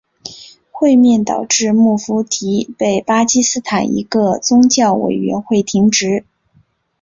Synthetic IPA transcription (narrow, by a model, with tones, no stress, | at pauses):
xwe˥˧ɪmjɛ˥˩nt̪ɑ˨˩ʊʈ͡ʂɻ̩˥˧mu˥˩fu˧˥t̪ʰi˧˥pe˥˩ɪpa˥t͡ɕi˥sɹ̩˥t̪ʰa˨˩nḭ˧˥ɡə˧t͡sʊ˥ŋt͡ɕjɑ˥˩ʊwḛ˨˩ɪɥɛ̰˧˥nxwe˥˩ɪt̪ʰi˧˥ŋʈ͡ʂɻ̩˧˥